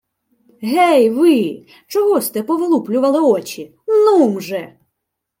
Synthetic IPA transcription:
ɦɛjʋɪ | t͡ʃɔɦɔst̪ɛpɔʋɪlˠuplʲʊʋɐlˠɪɔt͡ʃʲi | numʒɛ

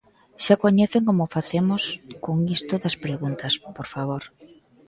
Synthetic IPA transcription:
ʃakoɲɛθeŋkomʊfaθemʊskoŋist̪ʊðɐspɾeɣunt̪ɐspoɾfaβ̞oɾ

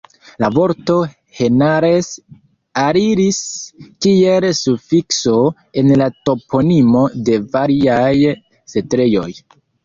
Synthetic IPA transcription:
lavo̞ɾto̞ | he̞naɾes | aɾiɾiskie̞lsufikso̞ | e̞nlato̞pʰo̞nimo̞de̞vaɾiaj | se̞tɾe̞jo̞j

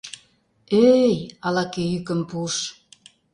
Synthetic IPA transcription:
øjɑlɑkejykə̆mpuʃ

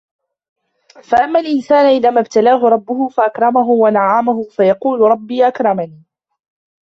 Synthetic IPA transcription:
faʔamːalʔɪnsaːnʊʔɪðaːmabt̪alaːɦʊɾˤɑbːʊhʊfaʔakɾˤɑmaɦʊwanaʕamaɦʊfajɑquːlʊɾˤɑbːiːʔakɾˤɑmaniː

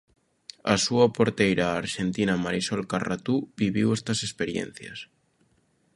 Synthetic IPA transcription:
a̰suapoɾt̪ejɾaːɾʃent̪inamaɾisolkarat̪ubiβ̞iwest̪asespeɾjḛn̟θja̰s

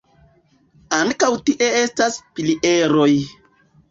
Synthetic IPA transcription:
aŋkawtiʔe̞e̞staspiliʔe̞ɾo̞j

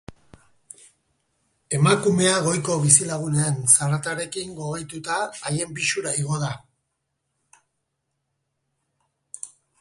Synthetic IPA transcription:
e̞makume̞aɣ̞o̞jko̞βisilaɣ̞uneansarat̪aɾe̞kiŋɡo̞ɣejt̪ut̪aːje̞mpiʃuɾaiɣ̞o̞ða

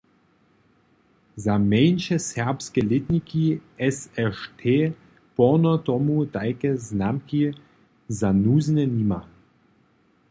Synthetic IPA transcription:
zamɛjnʃɛsɛʁpskɛlit̪nʲikiɛsɛʃt̪ʰe | pɔnɔt̪ɔmud̪ajkɛznamki | zanuzʲnɛnima

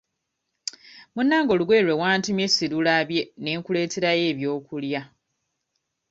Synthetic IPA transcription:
munːaːŋɡo̞luɡwe̞ːlwe̞waːntimje̞sːiɾulaβje̞ne̞ːŋkule̞ːte̞ɾaje̞ːβjo̞ːkulja

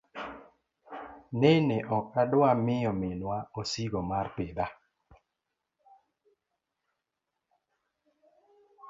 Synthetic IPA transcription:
neneʔɔkadʊamɪjɔmɪnwaosiɡomarpɪd̪a

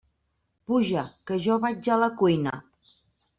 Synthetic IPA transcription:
puʒəkəʒɔβad͡ʒaləkujnə̰

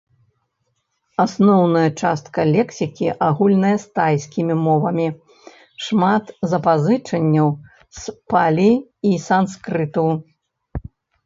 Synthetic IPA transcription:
asnɔwnɐjɐt͡ʂast̪kɐlʲɛksʲikʲiʔaɣulʲnɐjɐst̪ajsʲkʲimʲimɔvɐmʲi | ʂmat̪zɐpazɨt͡ʂɐnʲːɐw | spalʲiisanskɾɨt̪ɐw

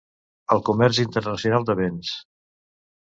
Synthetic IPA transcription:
əlˠkumɛrzint̪əɾnəsiunalˠd̪əβɛns

